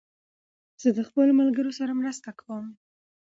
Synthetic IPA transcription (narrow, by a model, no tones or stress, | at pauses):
z̥əd̪əxpəlomalɡəɾosaɾamɾast̪akawom